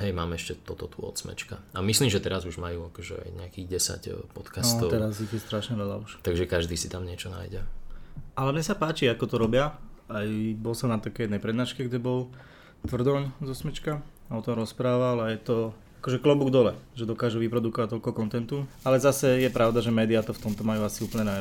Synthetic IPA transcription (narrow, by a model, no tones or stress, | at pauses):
ɦɛjmaːmɛɛʃcɛt̪ɔt̪ɔt̪uɔ̰t̪smɛ̰t͡ʃka̰amisliːmʒɛt̪ɛɾazuʒmajuːakɔʒɛ̰a̰jɲɛakiɣɟɛsa̰cpɔt̪kansɔt̪ɔt̪ɛɾaziɣjɛst̪ɾaʃɲɛʋɛla̰uʃt̪aɡʒɛkaʒd̪iːsit̪amɲɪɛt͡ʃɔna̰ːjɟɛ | alɛmɲɛsapaːt͡ʃiakɔt̪ɔɾɔbɪaajbɔlsɔmnat̪akɛjɛd̪nɛjpɾɛd̪naːʃkɛɡɟɛbɔl | t̪ʋr̩d̪ɔɲzɔsmɛt͡ʃkaaɔt̪ɔmɾɔspɾaːʋalajɛt̪ɔ | akɔʒɛklɔbuɡd̪ɔlɛʒɛd̪ɔkaːʒuʋipɾɔd̪ukɔʋac̚t̪ɔlkɔkɔnt̪ɛnt̪ualɛzasɛjɛpɾaʊd̪aʒɛmɛːd̪iat̪ɔft̪ɔmt̪ɔmajuasiuːpəlɲɛna